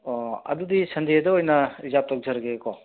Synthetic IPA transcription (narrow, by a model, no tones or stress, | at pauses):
ɐ̰dudisʰɐndiɐdɐojnɐizap̚tɔk̚zɐɾɐɡekɔ